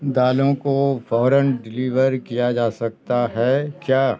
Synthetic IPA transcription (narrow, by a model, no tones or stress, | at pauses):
d̪aːlõkofɔːɾənɖɪliːʋəɾkijad͡ʒaːsɐk̚t̪aɦɛkjaː